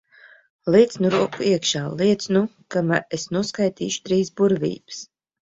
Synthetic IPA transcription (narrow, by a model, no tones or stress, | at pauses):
lˠiːt̪snuɾuɔkuiɛkʃaːlˠiɛt̪snukamaɾesnuɔskajt̪ḭːʃu̥t̪ɾiːsbuɾvʲḭːbɨ̥s